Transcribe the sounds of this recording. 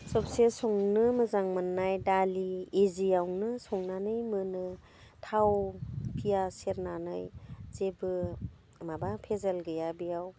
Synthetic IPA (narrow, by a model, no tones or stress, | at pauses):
sɔpsesɔŋnɯmɯzaŋmɯnːajdaliezijawnɯsɔŋnanɯjmɯnɯ | tʰawpʰijaseɾnanɯjzebɯ | mabapʰezalɡɯjabijaw